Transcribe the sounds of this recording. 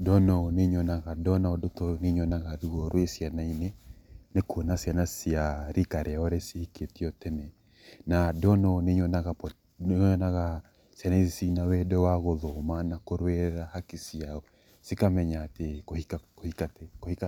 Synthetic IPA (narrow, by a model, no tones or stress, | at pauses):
dɔnɔneɲɔnaɣadɔnaodotɔneɲɔnaɣaɾuɔɾwesianainenekonasianasiaɾikaɾɛaoɾesihiketiɔtɛnɛ | nadɔnɔneɲɔnaɣapɔ | ɔnaɣa | sianaisisinawɛdɔwaɣoðomanakoɾwɛɾahakisiaɔ | sikamɛɲaːtekoiakoikatɛkohika